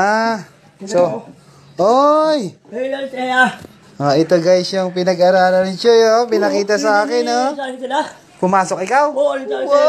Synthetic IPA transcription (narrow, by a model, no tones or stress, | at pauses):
a | so | ʔoj | ʔoɪt̪oɡajsjaŋpɪnɐɡɐɾaːlɐnɪt͡ʃojopɪnɐkiːt̪ɐsɐaːkɪno | pʊmaːsok̚ɪkawo